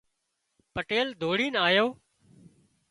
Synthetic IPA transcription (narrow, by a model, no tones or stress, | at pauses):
pəʈeːld̪ʱoːɽiːnaːjoː